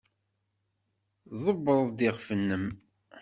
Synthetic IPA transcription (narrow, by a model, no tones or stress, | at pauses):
ðˤəbːəðˤd̪iʁfənːəm